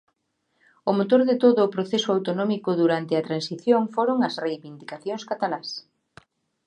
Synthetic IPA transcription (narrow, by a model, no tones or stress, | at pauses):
ʊmot̪oɾðɪt̪oðʊːpɾoθesʊawt̪onɔmikʊðuɾant̪ɪɐt̪ɾansiθjoŋfoɾoŋɐsrejβind̪ikaθjoŋskat̪alas